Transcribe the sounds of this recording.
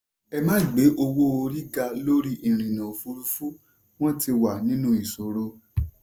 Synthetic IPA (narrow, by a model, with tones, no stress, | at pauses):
ɛ˧mãː˦i˨ɡ͡be˨˦ʔo˧wo˦o˧ɾi˦ɡa˧lo˦ɾi˦ʔi˨ɾ̃ĩ˨nã˨fu˧ɾu˦fu˦ | w̃ɔ̃˦ti˧wa˨nĩ˦nũ˦i˨so˨ɾo˧